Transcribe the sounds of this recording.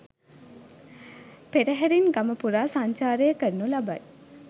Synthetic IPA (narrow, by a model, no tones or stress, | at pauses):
peɾəɦæɾinɡaməpuɾaːsaɲt͡ʃaːɾəjəkərnulabaj